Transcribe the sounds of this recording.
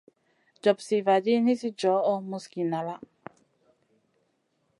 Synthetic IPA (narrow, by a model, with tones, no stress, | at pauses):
d͡ʒɔ˨p̚si˨va˨d͡ʒi˦ni˦si˦d͡ʒɔ˨˦ʔɔ˦mu˧ski˨na˨la˦